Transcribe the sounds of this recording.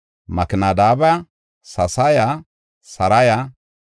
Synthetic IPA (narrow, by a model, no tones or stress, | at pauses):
mɐkɪnad̪aːbɐja | sɐsaja | sɐɾɐja